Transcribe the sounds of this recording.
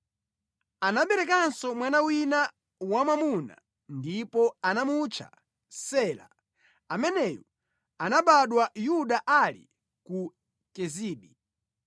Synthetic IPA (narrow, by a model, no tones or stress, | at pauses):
anaɓɛɾɛkansɔmwanawina | wamamuna̰ | ndipɔanamut͡ʃʰa̰ | sɛːla̰ | amɛnɛjɔ | anaɓaɗwajuɗaʔalḭ | ku | kɛziːɓi